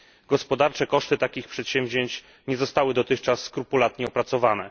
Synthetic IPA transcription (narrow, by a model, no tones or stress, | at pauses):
ɡɔspɔd̪aɾt͡ʂɛkɔʂt̪ɘt̪akʲixpʂɛt̪ɕɛmʲvʑeɲt͡ɕ | ɲɛzɔst̪awɘd̪ɔt̪ɘxt͡ʂasːkɾupulat̪ɲɛɔpɾat̪sɔvanɛ̰